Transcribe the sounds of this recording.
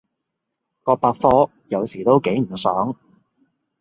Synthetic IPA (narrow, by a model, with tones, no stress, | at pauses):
kɔː˧paː˧kfɔː˥ | jɐ˨˧wsiː˨˩t̪o˥wke˨˥jm̩˨˩sœː˨˥ŋ